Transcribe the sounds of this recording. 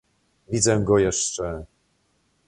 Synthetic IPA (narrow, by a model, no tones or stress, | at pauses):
vʲid̪zɛɡɔjɛʂt͡ʂɛ